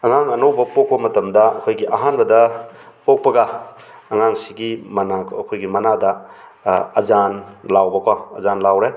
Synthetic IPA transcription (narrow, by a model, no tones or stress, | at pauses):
ɐŋaŋɐnowbɐpok̚pɐmɐtɐmdɐɐ̰kʰojɡiʔaɦanbɐdɐ | pok̚pɐɡa | ɐŋaŋsiɡimɐnakːkʰojɡimɐnadɐ | ɐzanlawbɐkɔɐzanlawɾe